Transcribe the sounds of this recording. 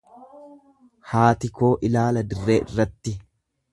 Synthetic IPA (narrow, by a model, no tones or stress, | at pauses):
haːt̪ɪko̞ːʔɪlaːlɐd̪ɪrːeːʔɪ̰rːɐt̪ːɪ